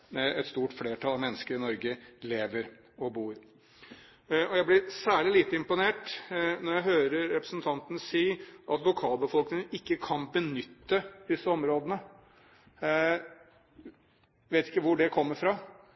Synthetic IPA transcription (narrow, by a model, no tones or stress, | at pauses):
ɛt̪st̪uːʈfleːʈʰɑlɑʋmɛnːəskəɾɪnɔɾɡəleːʋəɾ | ɔbuːɾ | ɔjæɪblɪɾsæːɭɪliːt̪əɪmpʊneːʈnɔɾjæɪɦøːɾəɾːɛpɾəsn̩t̪ʰɑnt̪ənəsiːʔɑt̪ʋʊkʰɑːlbəfɔlknɪŋənɪkːəkʰɑnbənʏt̪ːəd̪̥ɪsːəɔmɾoːd̪ənə | ʋeɪt̪ɪkːəʋʊɖɛkʰɔmːəɾfɾɑ